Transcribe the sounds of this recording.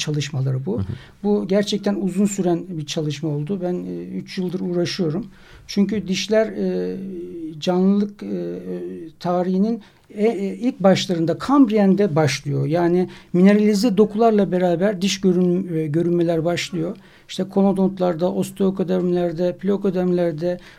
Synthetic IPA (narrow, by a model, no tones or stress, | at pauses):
t͡ʃʰalˠɯʃmalˠaɾɯbu | buɟæɾt͡ʃʰɛc̚t̪ʰænuzunsyɾænbiɾt͡ʃʰalˠɯʃmao̞lˠd̪ubænyt͡ʃjɯlˠd̪ɯɾuːɾaʃɯjo̞ɾum | t͡ʃʰyɲcyd̪iʃlʲæɾː | d͡ʒanlˠɯlˠɯkː | t̪ʰaːɾiɦinin | ilʲc̚baʃlˠaɾɯnd̪akʰambɾijænd̪ɛbaʃlˠɯjo̞jaːnimine̞ɾalʲizd̪id̪o̞kʰulˠaɾlˠabe̞ɾaːbæɾd̪iʃøɾɟø̞ɾynme̞lʲæɾbaʃlˠɯjo̞ | iʃt̪ʰɛkʰo̞mod̪o̞nt̪lˠaɾd̪aʔost̪ʰokʰod̪æɾmlʲæɾd̪ɛplʲokod̪ɾmlʲæɾd̪ɛ